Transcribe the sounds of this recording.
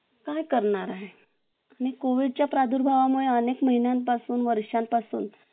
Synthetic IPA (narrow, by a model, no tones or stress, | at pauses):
kajkəɾɳaɾaɦe | aɽ̃ikoʋiɽ̚t͡ɕjapɾad̪ʱuːɾbʱaʋamuɭeənekməɦinjanpasuːnʋəɾʂjãmpasṵːn